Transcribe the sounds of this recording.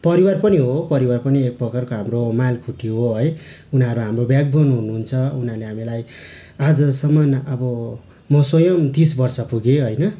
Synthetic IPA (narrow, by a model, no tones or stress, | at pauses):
pʌɾiwarpʌniɦopʌɾiwarpʌniek̚pʌkarkoɦamromalkʰuʈːioɦoɦʌj | unʌɾuɦamrobjaɡ̚bʱonɦunuɦunt͡sʰʌunaleɦamilaj | ad͡zʌsʌmʌnʌbʌ | mʌsojʌmt̪is̬bʌrsʌpuɡeɦʌjnʌ